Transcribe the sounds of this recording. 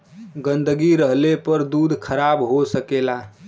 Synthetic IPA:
ɡənd̪əɡiɾəɦlepəɾd̪ud̪ʱkʰəɾabɦosəkela

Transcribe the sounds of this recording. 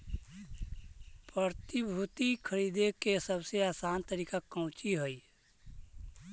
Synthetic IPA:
pəɾt̪ibʱut̪ikʰəɾiːd̪ekesəbseaːsaːnt̪əɾiːkakə̃ʊ̃t͡ʃiɦoi

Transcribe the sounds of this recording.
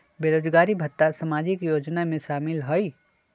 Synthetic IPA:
beːɾoːd͡ʒɡaːɾibʱət̪ːasɐmaːd͡ʒɪkjoːd͡ʒnamẽʃaːmɪlɦoi

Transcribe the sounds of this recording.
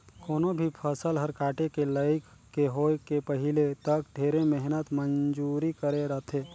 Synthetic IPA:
koːnobʱipʰəsəlɦəɾkaʈekeləɪkːeɦokepəɦilet̪əkɖʱeɾemɛɦnət̪mənd͡ʒuɾikəɾeɾəɦt̪ʰe

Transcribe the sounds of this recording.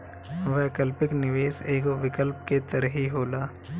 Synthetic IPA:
ʋɛkəlpɪknɪʋeːseːɡoʋɪkəlp̚ket̪əɾəɦiɦoːlaː

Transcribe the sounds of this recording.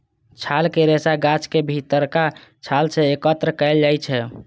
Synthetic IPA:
t͡ʃʰalkeɾesaɡat͡ʃkebʱit̪əɾkat͡ʃʰalt͡ʃʰeekət̪ɾəkəeld͡ʒajt͡ʃʰɛ

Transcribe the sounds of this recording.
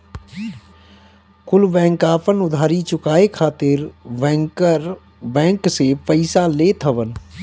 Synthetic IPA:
kʊlbɛ̃ːŋkaːpənʊd̪ʱaːɾit͡ʃʊkaːekʰaːt̪ɪɾbɛ̃ːŋkəɾ | bɛ̃ːŋksepəɪsaleːt̪ʰəʋən

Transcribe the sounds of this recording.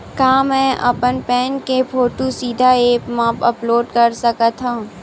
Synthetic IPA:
kaːmɛ̃ːʔɐ̰pənpɛ̃ːnkepʰoːʈusiːd̪ʱaeːpmãːpɐploːɖkɐɾsɐkat̪ʰãː

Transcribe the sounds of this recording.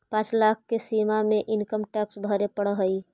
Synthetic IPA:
pãːt͡ʃlak̚ʰkːesimamẽʔɪnkəmʈɛksbʱəɾepəɽəɦəi

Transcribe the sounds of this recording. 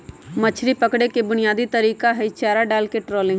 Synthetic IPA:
mɐt͡ʃʰɾipɐkɽekebʊnijaːd̪it̪ɐɾiːkaɦɛɪt͡ʃaːɾaɖaːlkeʈɾɔːlɪ̃ŋɡ

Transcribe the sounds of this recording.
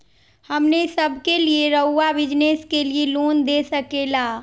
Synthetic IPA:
hɐmnesəbʱkelieɾəɦʊːabɪd͡ʒneskelieloːnd̪eːsəkeːlaː

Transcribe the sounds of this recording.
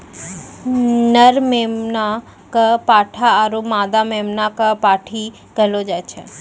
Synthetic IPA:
nəɾmemna | kəpaʈʰaːɾumad̪amemnakəpaʈʰi | kəɦlod͡ʒajt͡ʃʰe

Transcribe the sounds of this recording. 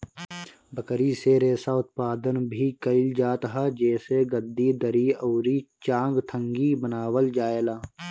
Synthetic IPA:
bəkɾiseɾeːsaʊt̪̚paːd̪ənbʱikəɪld͡ʒaːt̪ɦad͡ʒɛːseɡəd̪ːid̪əɾioːɾit͡ʃãːŋɡt̪ʰə̃ŋɡibənaːwəld͡ʒaːeːlaː

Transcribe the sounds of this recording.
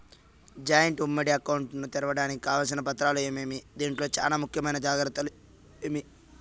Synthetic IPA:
d͡ʒaːjɐɳʈumːɐɽiɐkːɐwuɳʈnut̪iɾɐʋɐɽaːniki̥kaːʋaːls̬inɐpɐt̪ːɾaːlueːmeːmid̪iːɳʈlo̞ːt͡ʃa̰ːnaːmukʰjɐmɐjnɐd͡ʒaːɡɾɐt̪ːɐlu | eːmi

